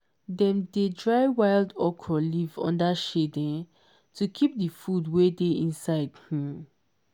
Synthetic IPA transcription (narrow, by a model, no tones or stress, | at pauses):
dɛ̃mdedɹaɪwaɪldɔkʰɔlivɔ̰̃ndaʃedɛ̃n | tʰukʰip̚difudwedeĩnsaɪdhĩm